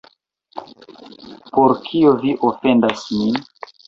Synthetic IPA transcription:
poɾkʰioviʔofendasmin

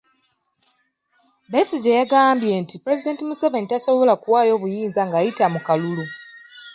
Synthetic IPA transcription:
besiɟejaɡaːmbje̞ntipɾe̞zide̞ːntimusave̞nitaso̞βo̞lakuwaːjo̞ːβujiːnzaŋɡaːjitamukalulu

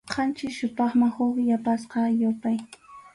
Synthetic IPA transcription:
qʰɑnt͡ʃɪʃʊt̪ɑχmaŋhʊqjapasqɑjʊpaj

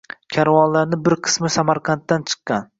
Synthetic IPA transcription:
kʲʰaɾvɒnlaɾnɪbɪɾqʰɨ̥smɪsamaɾqʰɑnt̪ːant͡ʃʰɨ̥qːɑn

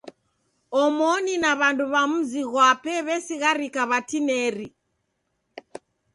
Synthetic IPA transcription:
ɔmɔninaβanduβam̩ziɣwapɛβɛsiɣaɾikaβatinɛɾi

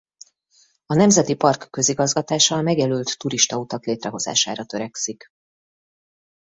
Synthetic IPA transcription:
ɒnɛmzɛt̪ipɒrkːø̞ziɡɒzɡɒt̪aːʃɒmɛɡjɛlylt̪ːuɾiʃt̪ɒut̪ɒkleːt̪rɛɦo̞za̰ːʃa̰ːɾɒt̪ø̞ɾɛksik

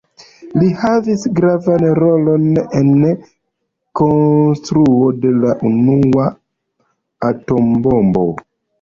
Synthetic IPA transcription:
lihavisɡɾavanɾolo̞nen | konstɾuode̞laʔunua | ato̞mbombo̞̰

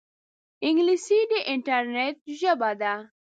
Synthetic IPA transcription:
ɪŋɡlisiɖiʔɪɳʈaɾnet̚ʒabad̪a

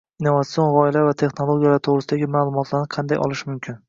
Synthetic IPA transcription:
inːovat̪sijo̞nʁɒɪlavat̪ʰe̞χnolˠoɡʲijalaɾt̪ʰoʁɾɪsɪd̪aɡʲɪmaːlˠʊmɒt̪ʰlaɾnɪqʰɑnd̪ajʔɒ̰lˠɪʃmʊmkʲʰɪn

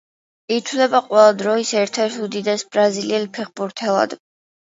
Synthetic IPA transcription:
it̪ʰwlɛbaqʼwɛlˠad̪ɾɔisɛɾt̪ʰɛɾt̪ʰud̪id̪ɛsb̥ɾaziliɛlpʰɛχbuɾt̪ʰɛlˠa̰d̪

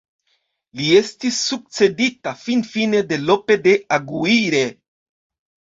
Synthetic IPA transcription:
lie̞stisːuk̚t͡se̞ditafinfine̞de̞lo̞pe̞de̞aɡuiɾe̞

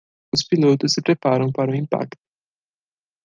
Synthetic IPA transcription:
uspilot̪usepɾepaɾəũmpaɾũimpa̰kt̪̚

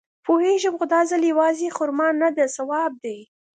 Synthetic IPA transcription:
poheʒəbɣʊd̪ɑzaljawɑzexʊɾmɑnːad̪asawɑb̚d̪aj

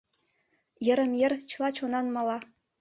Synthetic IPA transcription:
jɘ̆ɾɘ̆mʲjɘ̆rʲt͡ɕlˠɑt͡ɕonɑnmɑlˠɑ

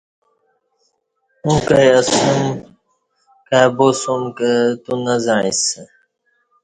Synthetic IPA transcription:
ũkajɐsum | kabosumkət̪unazaɻḭs

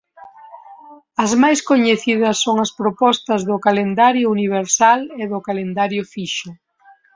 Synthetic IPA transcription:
ɐzmajskoɲeθið̞ɐsːoŋɐspɾopɔst̪ɐzðʊkalend̪aɾjʊuniβ̞eɾsaleðʊkalend̪aɾjʊfiʃʊ

